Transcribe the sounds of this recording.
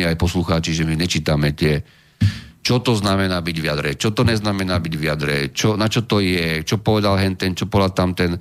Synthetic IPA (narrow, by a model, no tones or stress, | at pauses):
iajpɔsluxaːt͡ʃiʒɛmiɲɛt͡ʃiːt̪amɛt̪ɪɛ | t͡ʃɔt̪ɔznamɛnaːbiɟʋiad̪ɾɛ̰t͡ʃɔt̪ɔɲɛznamɛnaːbiɟʋɪad̪ɾɛ̰t͡ʃɔnat͡ʃɔt̪ɔjɛt͡ʃɔpɔʋɛd̪alɦɛnt̪ɛnt͡ʃɔpɔlat̪amt̪ɛn